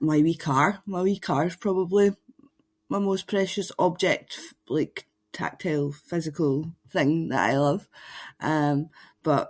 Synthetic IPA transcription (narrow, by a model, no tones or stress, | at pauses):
maɪwikʰaɹmaɪwikʰaɹz̥pʰɹ̥ɔbəblˠi | maɪmospʰɹ̥ɛʃəsɔb̚d͡ʒɛk̚tf | lˠaɪk | tʰa̰k̚tʰelˠfɪzɪkʰəlˠθɪ̃ŋðə̰ʔa̰ɪlˠʌv̥ʔʌ̃mb̥ʌʔ